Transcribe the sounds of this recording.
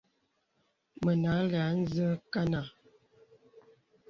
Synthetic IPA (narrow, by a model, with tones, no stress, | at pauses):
mə˨na˨˦la˨˦n̩˦zə˦ka˦na˨